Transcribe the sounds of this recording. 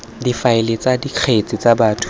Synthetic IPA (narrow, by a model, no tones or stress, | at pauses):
difaɪlet͡sʼadiq͡χʰet͡sʼit͡sabaːtʰu̥